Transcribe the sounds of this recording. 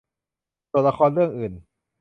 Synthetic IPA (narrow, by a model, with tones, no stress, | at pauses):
t̪u˧˩t̪la˧xɔː˧nɾɯ˥˩əŋʔɯː˨˩n